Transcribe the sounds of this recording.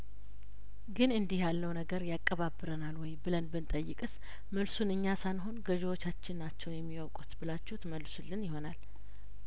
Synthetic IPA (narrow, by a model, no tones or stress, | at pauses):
ɡɨnɨnd̪ihjalːəwnəɡəɾjakʼːəβabɨɾənalwɔjbɨlənbɨnt̪ʼəjːɪkʼɨs | məlsunɨɲːasanɦo̞nɡəʒɛwot͡ʃːat͡ʃːɪnːat͡ʃːɛwjɛmːiwowkʼut̪bɨlat͡ʃːut̪məlːsulːɨnjɪɦo̞nal